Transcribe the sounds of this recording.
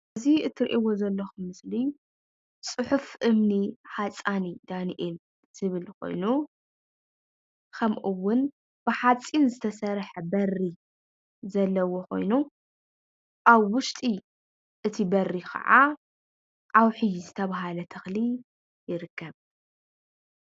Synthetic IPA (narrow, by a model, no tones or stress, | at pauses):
ziʔɨt̪ʰɨɾʔiwo̞zɐlːɐxumɨsli | sʼɨħufʔɨmniħat͡sʼanid̪aniʔel | z̥ɨβɨlkʰo̞̰jnu | kʰɐmʔɨwʊn | b̥ɨħat͡sʼːinzɨt̪ʰɐsɐɾħɐbɐrːi | zɐlːɐwo̞xo̞̰jnu | ʔaβːʊʃt̪ʼi | ʔɨt̪ʰibɐrːikʰɐ̰ʕa̰ | ʔawħɨjizɨt̪ʰɐβaɦalɐt̪ʰɐxli | jɪɾɨkʰːɐβ